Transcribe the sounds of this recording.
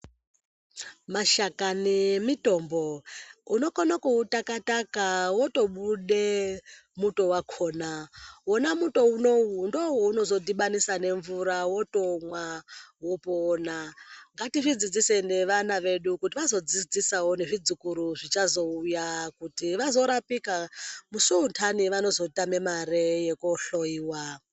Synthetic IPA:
maʃakanemito̞mbo̞uno̞konakuutakatakawo̞to̞ɓuɗe̞muto̞wakʰo̞ːnawonamuto̞unondowouno̞zo̞dʱiɓanisane̞ɱvuɾawo̞to̞mwawopoːnaŋɡatiʐid͡zid͡zise̞ne̞ʋanaʋe̞ɗukutiʋazo̞d͡zid͡zisawo̞ne̞ʐid͡zukuɾuʐit͡ʃazo̞ujakutiʋazo̞ɾapikamusuuntʰaniʋano̞zo̞itame̞maɾejekoɬoiːwa

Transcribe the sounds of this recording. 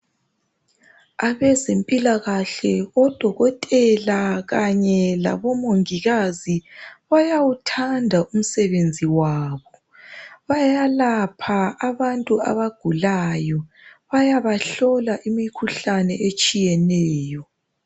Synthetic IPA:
aβɛzempʼilaɣaɬɛɔd̥ʱɔɣɔtʼɛlaɣaɲɛla̰βɔmoŋiɣaziβajawutʰandʱaʔum̩sɛβend͡zʱiwaːβɔ | βajalapʰaːβantʼua̰βaɡ̥ʱulajɔ | βajaβaɬɔlaʔimikʰuɬanɛʔet͡ʃʼijɛnɛːjɔ

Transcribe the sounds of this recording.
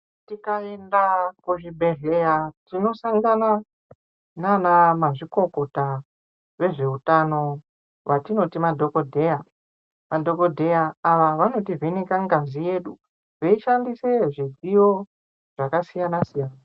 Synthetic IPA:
tikae̞ndakuʐibʱe̞rejatino̞saŋɡana | nanamaʐiko̞ko̞ta | ʋe̞ʐe̞utano̞ | ʋatino̞timadʱokodʱea | madʱo̞ko̞dʱe̞jaːʋaʋano̞tivinekaŋɡazije̞ɗu | ʋeiʃandise̞ʐid͡zijo̞ | ʐ̥akasijanasijaːna

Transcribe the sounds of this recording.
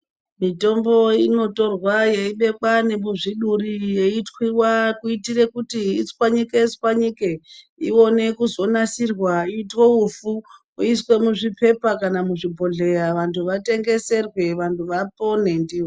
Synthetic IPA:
mito̞mbo̞ino̞to̞rwajeiɓe̞kane̞muʐiɗurijeitwiwakuitire̞kutiit͡skwaɲiket͡skwaɲike | ḭo̞ne̞kuzo̞nasirwaiːtwoufu | uiswe̞muʐipe̞pakanamuʐibʱo̞ɮe̞jaʋantʰuʋate̞ŋɡe̞se̞rwe̞ʋantʰuʋapo̞ne̞ndiːwo

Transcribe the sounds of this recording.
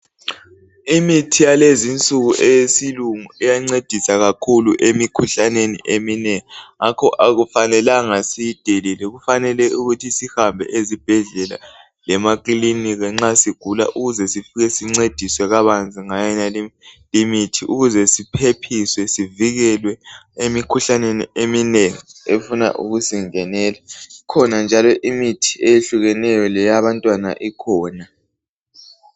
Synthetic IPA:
imitʰijalezint͡sʼuɣuʔɛjsiluŋuijaŋ͡ǀed̥ʱisaɣakʰuluʔemikʰuɬanenḭʔeminɛŋiŋakʰɔʔaɣufanɛlaŋasiid̥ʱelilɛɣufanɛlɛʔuɣutʰisihambʱɛ̰ʔezib̥ʱɛɮɛla̰ | lɛmakʼiliniɣɛŋ͡ǁasiɡ̥ʱula̰ʔuɣuzɛsifiɣɛsiŋ͡ǀed̥ʱiswɛɣaβand͡zʱiŋajɛnali | limitʰiʔuɣuzɛsipʰepʰiswɛsiviɣɛlwɛemikʰuɬaneniemineŋiefuna̰ʔṵɣusiŋɛnɛːlaikʰɔnand͡ʒʱalɔʔimitʰi̥ejeɬuɣɛnɛjɔlɛjaβantʼwana̰ʔikʰɔːna

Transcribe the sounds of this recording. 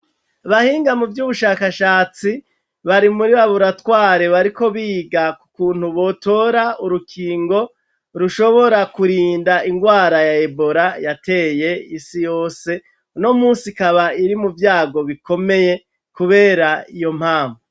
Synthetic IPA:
aβahiːŋɡamuvjuːβuʃaːkaʃaːt͡si | βaɾimuɾiβaβuɾatwaːɾe̞βaɾiko̞βiːɡakukuːn̥huβo̞to̞ːɾauɾukʰiːŋɡo̞ | ɾuʃo̞βo̞ɾakuɾiːndaʔiŋɡwaːɾajae̞bo̞ɾajate̞je̞isijoːse̞ | uno̞muːsikaβaiɾimuvjaːɡo̞βiko̞me̞je̞ | kuβe̞ːɾaijo̞m̥haːɱvo

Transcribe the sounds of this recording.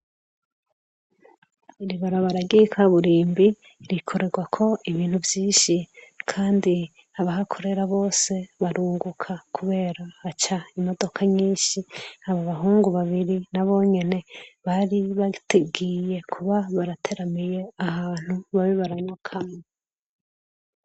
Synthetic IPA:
iɾiβaɾaβaɾaɡikʰaβuɾiːmbi | ɾikʰo̞ɾe̞ɡwakʰo̞ʔiβiːn̥huvjiːʃikʰaːndi | aβaɦakʰo̞ɾe̞ɾaβo̞ːse̞βaɾuːŋɡukʰakʰuβe̞ːɾahːt͡ʃaimo̞do̞kʰaɲiːnʃihaβoβaɦuːŋɡuβaβiɾinaβo̞ɲe̞ne̞βaɾiβateɡije̞kʰuβaβaɾatʰe̞ɾamije̞ahaːn̥huβaβiβaɾaɲakʰame

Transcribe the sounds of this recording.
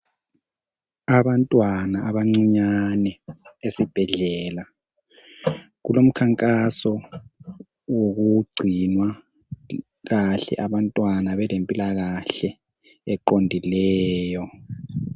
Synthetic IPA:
aβantʼwanaːβaŋ͡ǀiɲanɛesib̥ʱɛɮɛːla | ɣulom̩kʰaŋkʼasɔ | woɣuɡ͡ǀʱinwa | ɣaɬɛ̰ʔaβantʼwanaβɛlempʼilaɣaɬɛ | ɛǃondʱilɛːjɔ

